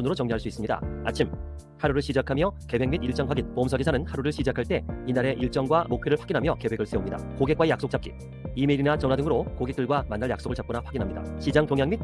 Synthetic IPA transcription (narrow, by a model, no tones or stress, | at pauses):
unɯɾot͡ɕʌŋɲoɦaɭs͈uis͈ɯmɲida̰a̰t͡ɕʰim | haɾuɾɯɭɕʰid͡ʑakʰamjʌkebwe̞ŋmidiɭt͡ɕ͈ʌŋɸwaɡinpomsʰʌɡisʰanɯnhaɾuɾɯɭɕʰid͡ʑakʰaɭt͈e̞inaɾe̞ʔiɭt͡ɕ͈ʌŋɡwamokpʰjeɾɯɭɸwaɡinɦamjʌke̞we̞ɡɯɭs͈eomɲida̰koɡe̞k͈waejak̚s͈ok̚t͡ɕ͈ap̚k͈i | imeɾinat͡ɕʌnɦwadɯŋɯɾokoɡek̚t͈ɯɭɡwamanːaɭjaks͈oɡɯɭt͡ɕap̚k͈ʌnaɸwaɡinɦamɲida̰ɕʰid͡ʑaŋpjoŋjaŋmit̚